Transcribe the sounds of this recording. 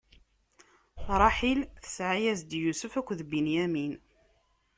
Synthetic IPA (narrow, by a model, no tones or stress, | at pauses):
θɾˤɑħilθə̥sʕajæzd̪jusəfækʷːðbinjæmin